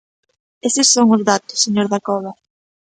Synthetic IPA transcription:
esɪsːoŋʊzðat̪ʊ̥sːeɲoɾðakɔβ̞ɐ

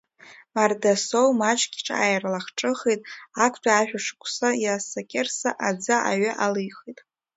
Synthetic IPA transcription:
mardasowmat͡ʃʼɡʲiʈ͡ʂʼa̰jrlaχʈ͡ʂʼɨχejtʼakʷʰʼtʷʰʼaaʒᶣaʂɨ̥kʷʰʼsajasakʲʼersaʔad͡zaʔa̰ɥaʔalɨjχejtʼ

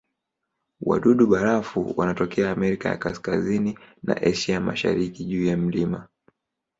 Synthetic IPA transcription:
wa̰ɗuɗuɓaɾafṵwʔa̰natɔkɛaːmɛɾikaja̰kaskazinina̰ʔɛʃiama̰ʃa̰ɾikiʄuːjam̩lima

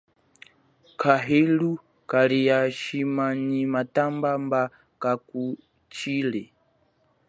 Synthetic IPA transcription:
kʰaɦilu | kalijaʃimanimatambamba | kaku | t͡ʃilɛ

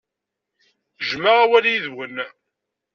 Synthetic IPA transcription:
ʒmaʁawæljiðwənː

